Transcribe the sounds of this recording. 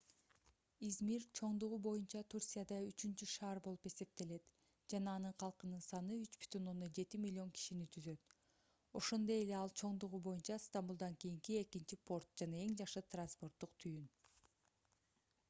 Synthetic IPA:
izmiɾt͡ʃʰo̞ɴd̪uʁubo̞junt͡ʃɑt̪ʰursʲijad̪ɑyt͡ʃynt͡ʃyʃɑːɾbo̞lˠupe̞se̞p̚t̪e̞le̞t̪ | d͡ʒɑnɑːnɯɴqʰɑlˠqɯnɯnsɑnɯyt͡ʃb̥y̥t̪ʰyno̞nd̪ond͡ʒe̞t̪imʲilʲːio̞ŋkʰi̥ʃinit̪ʰyzø̞t̪ | o̞̰ʃo̞nd̪o̞je̞le̞ɑlˠt͡ʃʰo̞ɴd̪uʁubo̞junt͡ʃɑst̪ambulˠd̪ɑŋkijiŋkie̞kint͡ʃipʰo̞ɾt̪̚d͡ʒɑnɑe̞ŋd͡ʒɑʃɯt̪ranspo̞rt̪ːuqt̪ʰyjyn

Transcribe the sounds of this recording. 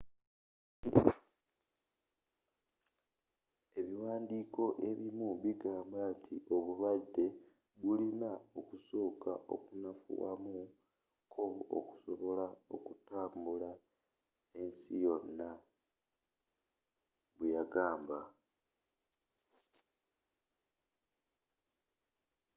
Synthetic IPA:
e̞βiwaːndiːkʰo̞ʔe̞βimuβiɡaːmbatʰiʔo̞βulwade̞ | βulinao̞kuso̞ːka̰ʔo̞̰kunafṵwa̰mu | kʰoo̰ku̥so̞βo̞lao̞̰kutaːmbula | e̞nsijo̞nːa | βujaɡaːmba

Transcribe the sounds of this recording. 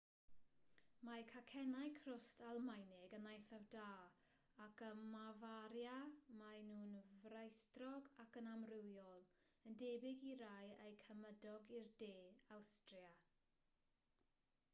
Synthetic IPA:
makʰakʰɛnajkʰrʊstʰalˠmajnɪɡənajθavdaː | akəmavaɾjamajnuːnvrajstrɔɡakənamrɪwjɔlˠ | əndeːbɪɡiɾajejkʰəmədɔɡirdeːawstrja

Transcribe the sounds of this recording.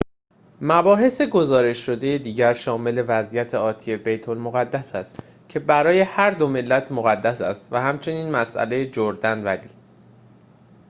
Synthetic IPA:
mæbɒːɦe̞se̞ɡo̞zɒːɾe̞ʃʃo̞d̪e̞je̞d̪iːɟæɾʃɒːme̞le̞væzijæt̪ʰe̞ɒːt̪ʰije̞bejt̪ʰo̞lmo̞ɣæd̪ːæsæst̪ | cʰe̞bæɾɒːje̞hæɾd̪o̞me̞lːæt̪ʰmoɣæd̪ːæsæ̰st̪væhæmt͡ʃʰe̞niːnmæsʔæ̰le̞jed͡ʒoɾd̪ænvæliː

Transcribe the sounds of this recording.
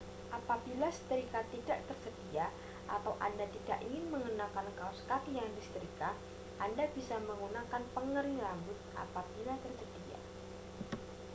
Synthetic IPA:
ʔapabilasə̥t̪ɾikat̪idaʔt̪ərsədia | ʔa̰t̪awʔa̰ndat̪idaʔiŋɪnməŋunakankawskat̪jaŋdisə̥t̪əɾika | ʔandabisaməŋɡunakanpəŋəɾiŋlaŋɡʊt̪̚ʔa̰pab̥ilat̪ərsəd̥ia̰

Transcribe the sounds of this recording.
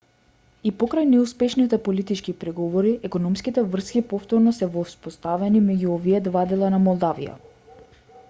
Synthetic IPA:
ipɔkɾajnɛuspɛʃnit̪ɛpolit̪it͡ʃkipɾɛɡɔvɔɾiʔɛkɔnɔmskit̪ɛvr̩skʲipɔft̪ɔɾnɔsɛvɔspost̪avɛnimɛɟuɔviɛd̪vad̪ɛlˠanamɔlˠd̪avḭja̰

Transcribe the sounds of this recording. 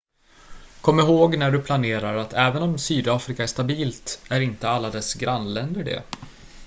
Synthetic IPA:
kʰɔmːɪɾɦoːɡnæɖɵpʰlaneːɾaɾat̪ʰɛːvənɔmsyːd̪aːfɾɪkaæʂt̪abiːlt̪æɾɪnt̪əalːad̪ɛsɡɾanlɛnd̪əɖɛ̰

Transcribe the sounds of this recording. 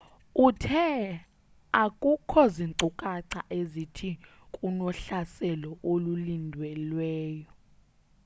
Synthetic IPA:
utʰɛ | akʼukʰɔziŋǀukʼaǀa̰ʔezitʰi | kʼunɔɬasɛlɔʔolulindʱwɛlwɛːjɔ

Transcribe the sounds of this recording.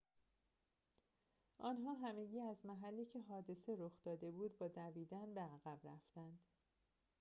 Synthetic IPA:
ʔɒːnɦɒːɦæme̞ɟiːæzmæɦælːiːcʰe̞ɦɒːd̪e̞seɾoxd̪ɒːd̪e̞buːd̪bɒːd̪æviːd̪ænbeæɣæbɾæft̪ænd̪̥

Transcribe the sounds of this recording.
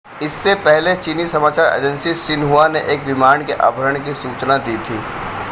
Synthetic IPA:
ɪsːepɛɦlet͡ʃiːnisɐmaːt͡ʃaːɾḛːd͡ʒə̃nsiʃɪnɦuaneʔeːkʋɪmaːɳɖkeʔa̰ːbʱəɾəɳ̃k̬isuːt͡ʃnad̪iːt̪ʰiː

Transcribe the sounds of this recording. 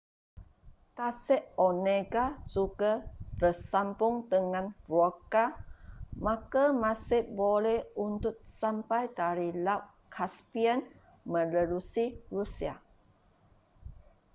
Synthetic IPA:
kasɛʔoneɡad͡ʒuɡat̪əsampʊŋd̪əŋãnvoka | makamasɪhbolɛhunt̪ʊt̪̚sampajdaɾilawʔ | kʰaspiən | mə̃ləlusirusia̰

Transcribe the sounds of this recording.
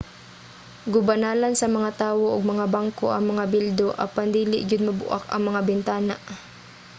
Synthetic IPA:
ɡʊbɐnaːlɐnsɐmɐŋat̪aːwoʔɐɡ̚mɐŋabaŋkoʔɐŋmɐŋabɪld̪oʔɐ̰pand̪iːlɪʔd͡ʒʊd̪̚mɐbʊ̰ʔa̰kɐŋmɐŋabɪnt̪aːnaʔ

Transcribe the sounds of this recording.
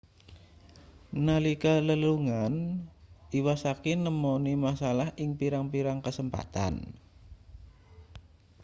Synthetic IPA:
nalikaləluŋan | iwasakinəmonimasalahʔɪŋpiɾaŋpiɾaŋkəsəmpa̰t̪a̰n

